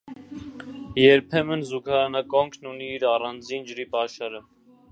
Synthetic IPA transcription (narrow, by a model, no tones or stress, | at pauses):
jɛɾpʰɛmənzukʰɑɾɑnɑkɔŋkʰnuniːɾɑrɑnd͡zind͡ʒəɾipɑʃɑɾə